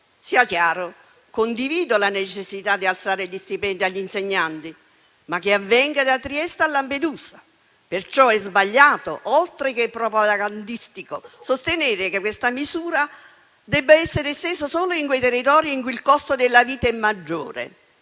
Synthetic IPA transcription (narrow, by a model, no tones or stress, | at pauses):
siːakjaːɾo | kond̪iviːd̪olanet͡ʃesːit̪ad̪ːialt̪saːɾeʎːist̪ipɛnd̪iaʎːinseɲːant̪i | mak̟ːeavːɛŋɡad̪at̪ɾiɛst̪alːamped̪uːsa | pert͡ʃɔɛzbaʎːaːt̪o̰ʔolt̪ɾek̟epːɾɔpat̪aɡand̪ist̪ikosost̪eneːɾɪkekwest̪amizuːɾa | d̪ɛbːaɛsːeɾest̪eːsosoːloiŋkwejt̪erːit̪ɔːɾjiiŋkuilkɔst̪od̪elːaviːt̪aɛmːad͡ʒːo̰ːɾḛ